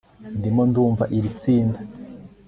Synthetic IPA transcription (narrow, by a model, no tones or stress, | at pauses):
ndimo̞nduːɱvaʔiɾit͡siːnda